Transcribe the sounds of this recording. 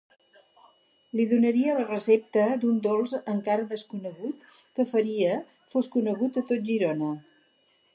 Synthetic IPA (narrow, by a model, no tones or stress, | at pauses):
liðunəɾiələrəsep̚t̪əd̪und̪olˠzəŋkaɾəðəskunəɣ̞ut̪ | kəfəɾiə | foskunəɣut̪ət̪ot̪̚ʒiɾonə